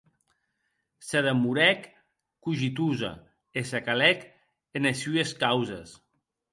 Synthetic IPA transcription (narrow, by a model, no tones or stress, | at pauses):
seðemuɾɛkː | uʒit̪̬uza̰ | esakalɛk | enasyeskawzḛs